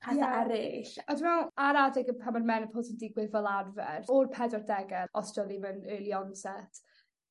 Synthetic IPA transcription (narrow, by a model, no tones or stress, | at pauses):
ajaɾɪʃaduwmɛlˠaɾadɪɡəpʰamanmɛnəpʰoːsəndɪɡwɪðvəlˠarvɛ̰rɔrpʰɛdɔrdɛɡɛɔsəlˠimənəːlˠiɔnsɛtʰ